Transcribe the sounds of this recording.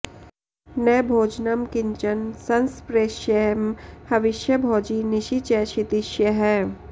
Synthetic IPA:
nɐːbʱoːd͡ʒnəmkɪ̃ɲt͡ʃənsɐnspɾeːʃjeːmhɐʋɪʃjəbʱɔːd͡ʒinɪʃit͡ʃɛːʃit̪ɪʃjəɦɛː

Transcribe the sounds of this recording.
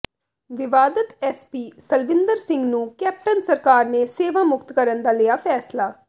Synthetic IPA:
ʋɪʋaːd̪ət̪ɛːspiːsəlʋɪ̃nd̪əɾsɪ̃ŋɡnũːkɛːp̚ʈənsəɾkaːɾneːseːʋaːmʊkt̪kəɾənd̪aːlɪjaːpʰɛːslaː

